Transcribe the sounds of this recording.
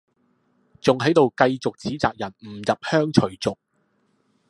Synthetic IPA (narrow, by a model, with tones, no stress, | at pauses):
t͡sʊ˨ŋɦɐ˨˥jt̪o˨wkɐ˧jt͡sʊ˨k̚t͡siː˨˥t͡saː˨k̚jɐ˨˩nm̩˨˩jɐ˨p̚hœː˥ŋt͡ʃʰɵ˨˩ɥt͡sʊ˨k̚